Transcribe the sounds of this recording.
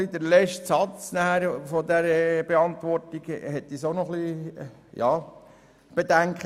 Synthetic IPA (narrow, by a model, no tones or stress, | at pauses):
lid̪əɾlɛʃtsɑt͡snæhæɾfɔd̪æɾəb̥eɑnt̪ʋɔɾtiɡ̥hɛt̪ːisoʊnɔχli | jɑː | b̥ed̪æŋkχə